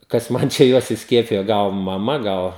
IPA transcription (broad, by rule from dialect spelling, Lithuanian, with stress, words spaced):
kɐs ˈmɐn t͡ʃʲɛ ˈjuɔs ɪsʲˈkʲiɛpʲɪjoː ˈɡɐlˠ mɐˈmɐ ˈɡɐlˠ